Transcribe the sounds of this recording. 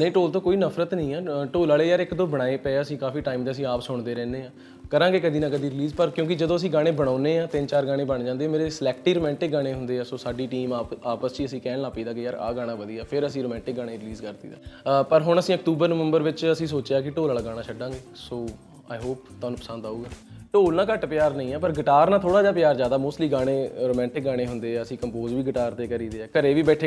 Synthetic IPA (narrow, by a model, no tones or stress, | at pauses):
nəĩːʈoːlt̪õːkoːiːnəpʰɾət̪nəĩːɛːʈoːlaːleːjaːɾɪkd̪õːbəɽ̃aːeːpɛːaːəsĩːkaːfiːʈaːimd̪eːəsĩːaːpsʊɳd̪eːɾɛ̃ːneːãː | kəɾãːŋɡeːkəd̪iːnãːkəd̪iːɾɪliːzpəɾkjõːk̬ɪd͡ʒəd̪õːəs̬ĩːɡaːɽ̃eːbəɽ̃aːneːãːt̪ɪnt͡ʃaːɾɡaːɽ̃ẽːbəɳd͡ʒãːnd̪eːaːmeːɾeslɛːkʈiːɾoːmɛ̃ːɳʈɪk̚ɡaːɽ̃eːɦʊ̃nd̪eːaːsoːsaːɖiːʈiːmaːaːpəst͡ʃiːəsĩːkɛːnlaːpiːd̪aːkɪjaːɾa̰ːɡaːɽ̃ãːʋəd̪iːaːpʰɪɾəsĩːɾoːmɛ̃ːɳʈɪk̚ɡaːɽ̃eːɾɪliːzkəɾd̪ḭːd̪a̰ːpəɾɦʊɳ̃əsĩːəkt̪uːbəɾnəʋə̃mbəɾʋɪt͡ʃəsĩːsoːt͡ʃeaːkɪʈoːlaːləɡaːɽ̃aːt͡ʃʰəɖːãːŋɡeːsoː | a̰ːjɦoːpt̪oaːnũːpəsə̃nd̪aːuːɡaːʈoːlnãːkəʈpjaːɾnəĩːɛːpəɾɡəʈaːɾnaːt̪ʰoːɽaːd͡ʒaːp̬ɪjaːɾd͡ʒjaːd̪aːmoːsʈliːɡaːɽ̃eːɾoːmɛ̃ːɳʈɪk̚ɡaːɽ̃eːɦʊnd̪eːɛːəsĩːkəmpoːzʋiːɡəʈaːɾt̪eːkəɾiːd̪eːɛːkəɾeːʋiːbɛːʈʰeː